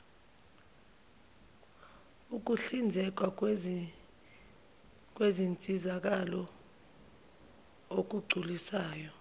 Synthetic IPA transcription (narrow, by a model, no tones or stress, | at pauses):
uk̬uɬind͡zʱɛk̬wa | k̬ʼwezint͡sʼizak̬alɔ | ok̬uɡ͡ǀʱulisaːjɔ